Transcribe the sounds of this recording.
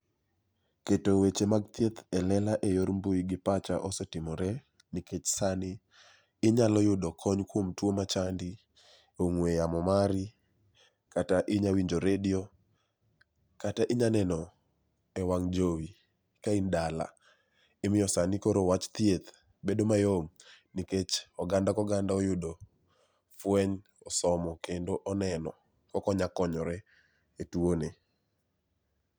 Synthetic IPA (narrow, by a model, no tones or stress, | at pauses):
ketowet͡ʃemaɡ̚t̪jet̪ɛlɛlaʔejoɾmboiɡɪpat͡ʃaʔɔsetɪmɔɾɛ | nɪket͡ʃsanɪ | ɪɲalɔjʊdɔkʰɔɲkwomtwomat͡ʃandi | oŋwejamɔmaɾɪ | kataʔɪɲawiɲd͡ʒoɾedio | kataʔɪɲanɛnɔ | ɛwaŋd͡ʒowi | kaindala̰ | ɪmɪjɔsanikoɾowat͡ʃt̪jet̪ | bedomajomniket͡ʃɔɡandakɔɡandaojʊdo | fwɛɲ | ɔsɔmɔkendoʔɔnɛnɔ | kɔkɔɲakɔɲɔɾɛ | etwone